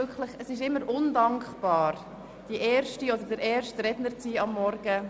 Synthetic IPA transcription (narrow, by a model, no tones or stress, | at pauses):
ʏkχləχəsɪʃɪmːəɾʔʊndɑŋkχb̥ɑːɾ | d̥iʔɛːɾʃtiodəɾdəɾɛːrʃtɾɛdnəɾt͡siːɑmːɔɾɡ̥ə